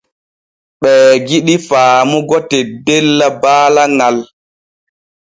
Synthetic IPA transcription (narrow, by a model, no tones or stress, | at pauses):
ɓɛːɡiɗifaːmuɡɔtɛdɛlːabaːlaŋal